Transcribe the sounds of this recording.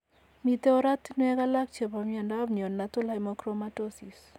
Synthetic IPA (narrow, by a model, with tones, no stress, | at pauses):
mi˨tɛ˦o˦ɾa˦t̪n˦ɛ˦ka˦la˦k̚t͡ʃɔ˨pa˨mjɔ˨nda˦bn˨o˨nːatʊ˦la˦mɔkɾomatosi˨s